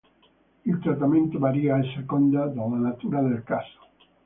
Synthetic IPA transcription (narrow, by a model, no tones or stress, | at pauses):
ilt̪ɾat̪ːament̪ovaɾiaɛsːekond̪ad̪alanat̪uːɾad̪elkaso̥